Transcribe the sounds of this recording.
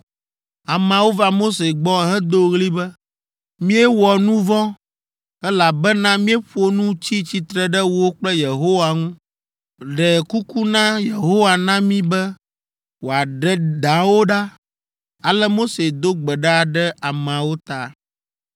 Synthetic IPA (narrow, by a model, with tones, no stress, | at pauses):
a˨mã˨wo˦va˨mo˦se˨ɡ͡bɔ˦ɦɛ̃˦d̪o˦ɣli˦bɛ˦ | mĩ˦ɛ˦wɔ˨nũ˦vɔ̃˦ | ɛ˦la˨bɛ˦nã˦mĩ˦ɛ˦ɸo˦nũ˦t͡ɕi˦t͡ɕi˦t̪ɾɛ˨ɖɛ˦wo˦o˦k͡plɛ˦je˨ɦo˦wa˨ŋũ˦ | ɖɛ˨ku˦ku˦nã˦je˨ɦo˦wa˨nã˦mĩ˦bɛ˦ | wo˨a˨ɖɛ˨d̪ã˨˦wo˦ɖa˦ | a˨lɛ˦mo˦se˨d̪o˦ɡ͡bɛ˨ɖa˦˨ɖɛ˦ʔa˨mã˨wo˦t̪a˨